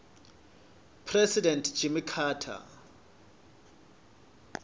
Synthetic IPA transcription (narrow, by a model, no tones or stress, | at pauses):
pʰrɛsidɛntʰd͡ʒimikʰaːtʰa̰